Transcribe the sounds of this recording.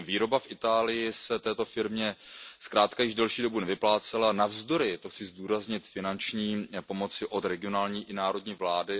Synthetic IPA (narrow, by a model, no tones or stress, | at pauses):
viːɾo̞bafʔɪt̪aːlɪjɪsɛt̪ɛːt̪o̞fɪɾmɲɛskɾaːt̪kajɪʒdɛlʃiːdo̞bunɛvɪplaːt͡sɛlanavzd̪o̞ɾɪt̪oxt͡sɪzduːɾazɲɪt̪fɪnant͡ʃɲiːpomo̞t͡sɪʔo̞t̪ɾɛɡɪonaːlɲiːʔɪnaːɾo̞dɲiːvlaːdɪ